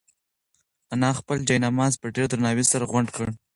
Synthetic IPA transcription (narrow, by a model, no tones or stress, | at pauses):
anɑxpəld͡ʒɑjnɑmɑzpəɖeɾd̪ɾanɑwisaɾaɣwaɳɖkəɽ